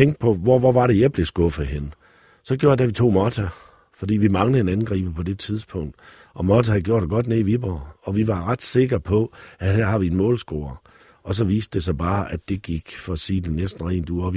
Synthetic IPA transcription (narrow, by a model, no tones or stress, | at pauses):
t͡sʰeŋ̰ɡd̥̚pʰɒ̽ʋɒʋɒʋɑ̈ɾe̝jɑ̈ɪb̥le̝sɡ̥ɔ̽fð̩ˠɦenə | sɒ̽ɡ̥jo̝ɐd̥æʋit͡sʰo̝̰ːmɒt͡sʰæ | fɒ̽d̥ḭːʋimɑ̈ŋləe̝nænɡ̥ʁḭːb̥əpʰɒ̽d̥e̝t͡sʰið̞ˠsb̥ʰɔ̽ŋ̰d̥ | ʔɒ̽mɒt͡sʰæhæɡjo̝ɐ̰d̥eɡ̥ɒ̽d̥neiʋib̥ʁɐɒ̽ʋiʋɑ̈ʁɑd̥se̝ɡ̥ɐpʰɒ̽æhæɐ̰ɦɑ̈ʋienmɔ̰̽ːlsɡ̥o̝̰ːɐ | ʔɒ̽s̬ɒ̽ʋḭːsd̥esɑ̈b̥ɑ̈ːʔæd̥e̝ɡ̥iɡ̥fɒ̽æsiːd̥enesd̥n̩ʁḭːnd̥uɒ̽b̥